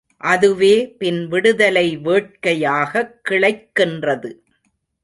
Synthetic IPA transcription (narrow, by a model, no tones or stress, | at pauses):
ʔɐðɯʋeːpɪnʋɪɽɯðɐlɐɪʋeːʈ̚kɐjaːɣɐkːɪɭɐɪkːɪndrɐðɯ